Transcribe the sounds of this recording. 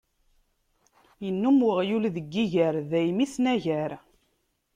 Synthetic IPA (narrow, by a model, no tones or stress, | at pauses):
jənːumwəʁjulðəɡːiʝæɾðæjmiθnæʝæɾ